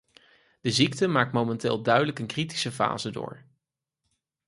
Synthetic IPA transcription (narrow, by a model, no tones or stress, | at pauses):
d̥əziktəmaːk̚tmomɛntɪːlˠdœɥdələkənkriti̥səfa̰ːzədʊ̰ːɹ